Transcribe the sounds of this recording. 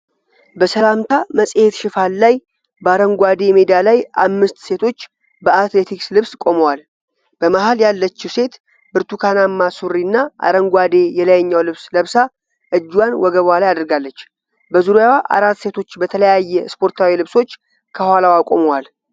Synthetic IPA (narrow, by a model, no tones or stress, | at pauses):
bəsəlamt̪ʰaməsʼhet̪ʃɪfalːaj | bəaɾəŋɡʷad̪e̞med̪ialajʔamːɨst̪se̞t̪ʰo̞t͡ʃː | bəat̪le̞t̪ʰikslɨβskʼo̞məwal | b̥əmahaljalːət͡ʃːuse̞t̪ | bɨɾt̪ʰukʰanamːasuɾinːaʔa̰ɾəŋɡʷad̪e̞jɛləjɛɲːawlɨβsləβsa | ʔɨd͡ʒːwanwɔɡəβalajad̪əɾɡalːət͡ʃː | bəzuɾojawaʔa̰ɾat̪ːse̞t̪ʰo̞t͡ʃːbət̪ʰələjajːɛspʰo̞ɾt̪ʰawilɨβso̞t͡ʃː | kʰəhwalawakʼoməwal